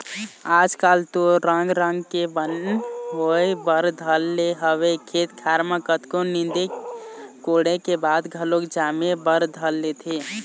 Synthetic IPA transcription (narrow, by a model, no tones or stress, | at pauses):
aːd͡ʒkalt̪oɾəŋɡɾəŋɡkebənɦoebəɾd̪ʱəlːeɦəwekʰet̪kʰaɾmakət̪konind̪e | koɽekebad̪ɡʱəlokd͡ʒamebəɾd̪ʱəlːet̪ʰe